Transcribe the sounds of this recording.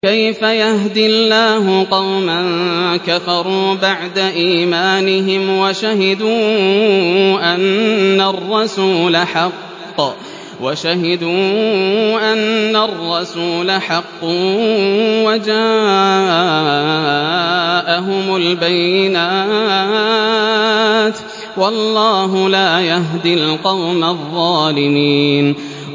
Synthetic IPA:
kajfajahd̪ɪlːaːɦʊqɑwmankafɑɾˤuːbaʕd̪aʔiːmaːnɪɦɪmwaʃahɪd̪uː | ʔanːarˤːɑsuːlaħɑqː | waʃaɦɪd̪uː | ʔanːarˤːɑsuːlaħɑqː | wad͡ʒaː | ʔaɦʊmʊlbajːɪnaː | t̪ | wɑlˤːɑːɦʊlaːjaɦd̪ilqɑwmaðˤːɑːlɪmiːn

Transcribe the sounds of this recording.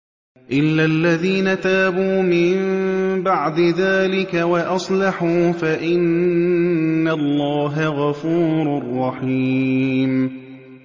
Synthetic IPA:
ʔɪlːaʔlːaðiːnat̪aːbuːmɪmbaʕd̪ɪðaːlɪkawɑʔɑsˤlɑħuːfaʔɪn | alːɑːɦaɣɑfuːɾʊrˤːɑħiːm

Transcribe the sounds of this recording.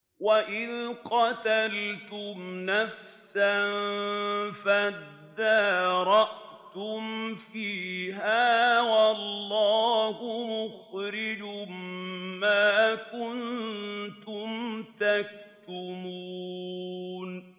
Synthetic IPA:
waʔɪðqɑt̪alt̪ʊmnaf | san | fad̪ːaːɾˤɑʔt̪ʊmfiːɦaːwɑlːɑːhʊmʊxɾɪd͡ʒʊmː | aːkʊnt̪ʊmt̪ak̚t̪t̪ʊmuː | n

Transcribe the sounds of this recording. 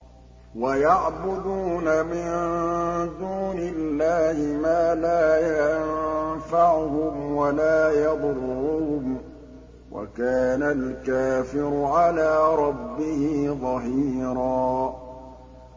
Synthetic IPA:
wajaʕbʊd̪uːnamɪn | d̪uːnɪlːaːhɪmaːlaːjannfaʕʊɦʊmwalaːjɑd̪ˤʊrːʊhʊm | wʔa̰kaːnalkaːfɪɾʊʕalaːɾˤɑbːɪhiðˤɑɦiːɾɑː

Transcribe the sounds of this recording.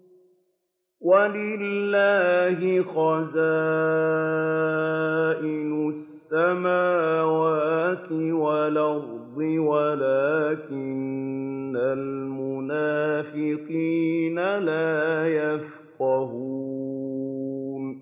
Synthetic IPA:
walɪlːaːɦɪxaza | ʔɪnʊsːamaːwaːt̪ɪwalɑɾd̪ˤɪwalaːkɪnː | almʊnaːfɪqiːnalaːjaf | qɑɦu | n

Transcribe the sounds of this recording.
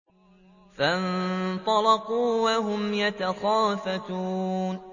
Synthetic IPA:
fant̪ˤɑlɑquːwaɦʊmjat̪axaːfat̪uːn

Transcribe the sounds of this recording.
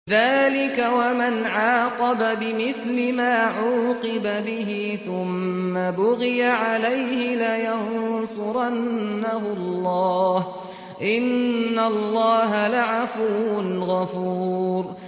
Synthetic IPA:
ðaːlɪkawamanʕaːqɑbabɪmɪθlɪmaːʕuːqɪbabɪɦɪ | θʊmːabʊɣɪjaʕalajhɪlajansʊɾˤanːaɦʊlˤːɑːh | ʔɪnːalˤːɑːɦalaʕafuwʊnɣɑfuːɾ

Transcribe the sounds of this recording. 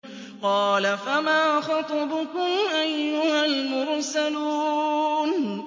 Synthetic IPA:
qɑːlafamaːxɑt̪ˤɑbʊkʊmʔajːʊhalmʊɾsaluːn

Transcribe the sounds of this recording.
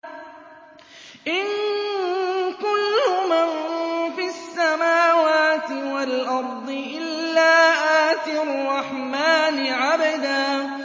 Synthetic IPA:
ʔɪn | kʊlːʊmanfiasːamaːwaːt̪ɪwalʔɑɾˤd̪ˤɨʔɪllːaːʔaːt̪ɪrˤːɑħmaːnɪʕabad̪aː

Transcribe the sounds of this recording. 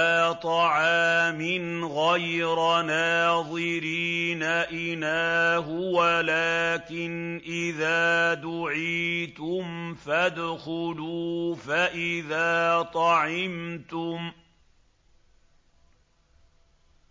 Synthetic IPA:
aːt̪ˤɑʕaɑːmɪn | ɣajɾanaːðˤɨɾiːnaʔɪnaːɦʊwalaːkɪnʔɪðaːd̪ʊʕiːt̪ʊmfad̪xʊluːfaʔɪðaːt̪ˤɑʕɪmt̪ʊm

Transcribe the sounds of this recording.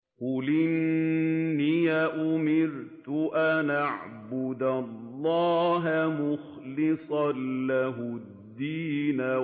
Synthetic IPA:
qʊlɪnː | ijaʔʊmɪɾt̪ʊʔanʔaʕbʊd̪alˤːɑːɦamʊx | lɪsˤɑnlaɦʊ | d̪ːiːna

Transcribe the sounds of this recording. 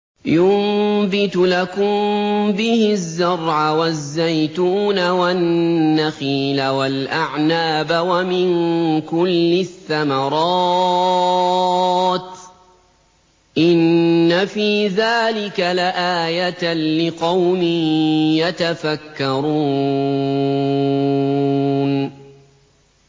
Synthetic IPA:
jʊmbɪt̪ʊlakʊmbɪhɪzːɑɾˤʕawazːajt̪uːnawanːaxiːlawalʔaʕnaːbawamɪŋkʊlːɪθːamɑɾˤɑː | t̪ | ʔɪnːafiːðaːlɪkalaʔaːjat̪lɪqɑwmɪjat̪afakːɑɾuː | n

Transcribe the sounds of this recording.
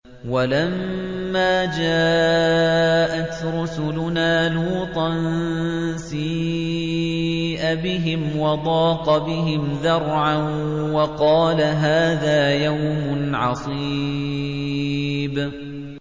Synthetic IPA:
walamː | aːd͡ʒaː | ʔat̪ɾʊsʊlʊnaːluːt̪ˤɑn | siː | ʔabɪɦɪmwɑd̪ˤɑːqɑbɪɦɪmðɑɾˤʕan | wɑqɑːlaɦaːðaːjawmʊnʕɑ̰sˤiː | b

